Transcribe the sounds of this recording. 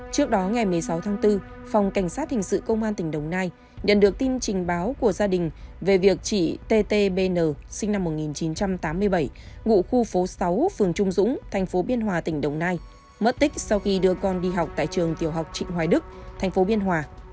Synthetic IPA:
t͡ɕɨ˦˥ək̚ɗɔ˨˦ŋa˨˩jmɨ˨˩əjsa˨˦wt̪ʰaː˨˦ŋt̪ɨ˧ | fa˨˩wŋ͡mka˧˩jŋ̟saː˦˥t̚hï˨˩ŋ̟sɨ̰˧˨kə˧wŋ͡mʔaː˧nt̪ï˧˩ŋ̟ɗə˨˩wŋ͡mnaː˧j | ɲə̰˧˨nɗɨ˨˩ək̚t̪i˧nt͡ɕï˨˩ŋ̟ɓaː˨˦wku˧˩əzaː˧ɗï˨˩ŋ̟ve˨˩vi˨˩ək̚t͡ɕḭ˧˨t̪e˧t̪e˧ɓe˧nəː˨˩sï˧ŋna˧mːo˨˩t̚ŋi˨˩nt͡ɕi˨˦nt͡ɕa˧mt̪aː˨˦mːɨ˧əjɓə˧˩j | ŋṵ˧˨xu˧fo˨˦sa˨˦wfɨ˨˩əŋt͡ɕʊ˧ŋ͡mzʊ̰˧˥ŋ͡mt̪ʰɛ˨˩jŋ̟fo˨˦ɓi˧ənɦwaː˨˩t̪ï˧˩ŋ̟ɗə˨˩wŋ͡mnaː˧j | mə˦˥t̚t̪ï˦˥k̟̚sa˧wxi˧ɗɨ˧əkɔ˧nɗi˧ɦa˨˩wk͡p̚t̪a̰ː˧˨jt͡ɕɨ˨˩əŋt̪i˨˩əwɦa˨˩wk͡p̚t͡ɕḭ˧˨hwaː˨˩ɗɨ˦˥k̚t̪ʰɛ˨˩jŋ̟fo˨˦ɓi˧ənɦwaː˨˩

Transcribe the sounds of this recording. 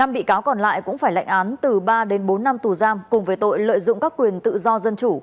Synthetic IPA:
na˧mɓḭ˧˨kaː˨˦wkɔ˨˩nla̰ː˧˨jkʊ̰˧˥ŋ͡mfaː˧˩jla̰˧jŋ̟ʔaː˨˦nt̪ɨ˨˩ɓaː˧ɗe˨˦nɓo˨˦nːa˧mt̪u˨˩zaː˧mkʊ˨˩ŋ͡mvəː˨˦jt̪o̰˧˨jlə̰ː˧˨jzʊ̰˧˨ŋ͡mkaː˦˥kːwi˨˩ənt̪ɨ̰˧˨zɔ˧zə˧nt͡ɕu˧˩

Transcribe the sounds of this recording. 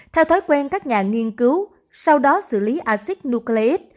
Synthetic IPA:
t̪ʰɛ˧wt̪ʰo˨˦jkwɛ˧nkaː˦˥k̚ɲaː˨˩ŋi˧ənkɨ˨˦w | sa˧wɗɔ˨˦sɨ̰˧˩li˨˦ʔaː˧si˦˥k̚nu˧kle˧ʔe˦˥t̚

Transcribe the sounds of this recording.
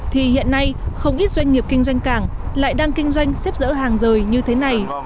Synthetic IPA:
t̪ʰi˨˩hḭ˧˨ənːa˧jxə˧wŋ͡mʔi˦˥t̚zwa˧jŋ̟ːi˨˩əp̚kï˧ŋ̟zwa˧jŋ̟kaː˨˩ŋla̰ː˧˨jɗaː˧ŋkï˧ŋ̟zwa˧jŋ̟sɛ˦˥p̚zə̰ː˧˥ɦaː˨˩ŋzəː˨˩jɲɨ˧t̪ʰe˨˦na˨˩j

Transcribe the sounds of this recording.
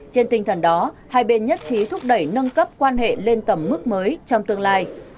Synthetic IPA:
t͡ɕe˧nt̪ï˨˩ŋ̟t̪ʰə˧˩nɗɔ˨˦haː˧jɓe˧nɲə˦˥t̚t͡ɕi˨˦t̪ʰʊ˦˥p̚ɗə˧˩jnə˧nkə˦˥p̚kwaː˧nɦḛ˧˨le˧nt̪ə˧˩mːɨ˦˥k̚məː˨˦jt͡ɕɔ˧wŋ͡mt̪ɨ˧əŋlaː˧j

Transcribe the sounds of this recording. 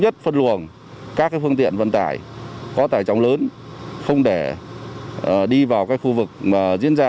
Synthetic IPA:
ɲə˦˥t̚fə˧nlu˨˩ən | kaː˦˥k̚ːaː˨˦jfɨ˧əŋt̪ḭ˧˨ənvə̰˧˨nt̪a̰ː˧˩jkɔ˨˦t̪aː˧˩jt͡ɕa˨˦wŋ͡mləː˨˦nxə˧wŋ͡mɗe˧˩˨ | ɗi˧vaː˨˩wkaː˨˥jxu˧vɨ˨˩k̚maː˨˩zḭ˧˥ənzaː˧

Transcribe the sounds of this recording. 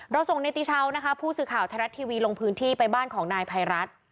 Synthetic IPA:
ɾa˧wso˨˩ŋna˧jt̪iː˧˩t͡ɕʰa˦˥wna˦˥kʰa˦˥pʰuː˥˩sɯː˨˩kʰaː˨˩wt̪ʰa˧ɾa˦˥t̪ʰːiː˧wiː˧lo˧ŋpʰɯː˦˥nt̪ʰiː˥˩pa˧jbaː˥˩nkʰɔː˩˦ŋnaː˧jpʰa˧jɾa˦˥t̪̚

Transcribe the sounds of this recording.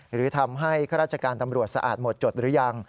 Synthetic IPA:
ɾɯː˩˦t̪ʰa˧mɦa˥˩jkʰaː˥˩ɾaː˥˩t̚t͡ɕʰa˧kaː˧nt̪a˧mɾu˨˩ət̪̚sa̰˧ʔa̰ː˨˩t̪̚mo˨˩t̪̚t͡ɕo˨˩t̪̚ɾɯː˩˦˥ja˧ŋ

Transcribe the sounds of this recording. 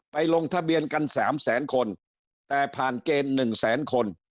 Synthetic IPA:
pa˧jlo˧ŋt̪ʰa˧bi˧ənka˧nsaː˩˦msɛː˩˦nkʰo˧n | t̪ɛː˨˩pʰaː˨˩nkeː˧mːɯ˨˩ŋsɛː˩˦nkʰo˧n

